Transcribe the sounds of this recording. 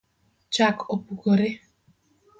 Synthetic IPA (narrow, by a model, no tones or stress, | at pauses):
t͡ʃakʰopukoɾe